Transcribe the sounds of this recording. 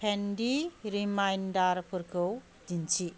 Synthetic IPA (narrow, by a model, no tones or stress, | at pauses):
pʰendiɾimajndaɾpʰɯɾkʰɯw | dint͡ʃi